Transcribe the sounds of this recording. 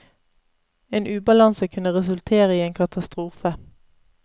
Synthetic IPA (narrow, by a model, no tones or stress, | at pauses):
eːnʔʉːbɑlɑnsəkʰʉnəʁɛsʉlt̪ʰeːʁəiːeːŋkʰɑt̪ɑst̪ʁuːfə